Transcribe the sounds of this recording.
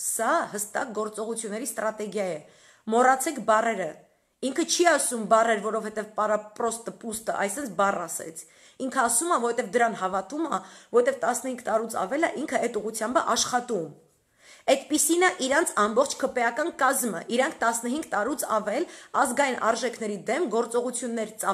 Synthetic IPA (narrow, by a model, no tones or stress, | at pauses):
sɑhəst̪ɑk̚ɡɔɾt͡sɔʁut͡sʰjunːɛɾist̪ɾɑt̪ɛɡjɑjɛ | mɔrɑt͡sʰɛkʰbɑrɛɾə | iŋkʰət͡ʃʰiɑsumbɑrɛɾvɔɾɔvhɛt̪ɛvpɑɾɑprɔst̪əpust̪ə̰ʔɑ̰jsɛnt͡sʰbɑrɑsɛ̰t͡sʰ | iŋkʰəɑsumɑvɔhɛt̪ɛvd̪əɾɑnɦɑvɑt̪umɑvɔɾɛt̪ɛvt̪ɑsnəhiŋɡt̪ɑɾut͡sʰɑ̰vɛlɑ̰ʔiŋkʰəɛt̪uʁut͡sʰjɑmbəʔɑʃχɑt̪um | ɛt̪pisinɑʔiɾɑnt͡sʰɑmbɔχt͡ʃʰkʰəpɛjɑkɑnkɑzmə̰ʔiɾɑŋkʰt̪ɑsnəɦiŋɡt̪ɑɾut͡sʰɑvɛlɑzɡɑjinʔɑ̰ɾʒɛkʰnɛɾid̪ɛmɡɔɾt͡sɔʁut͡sʰjunːɛɾt͡sɑ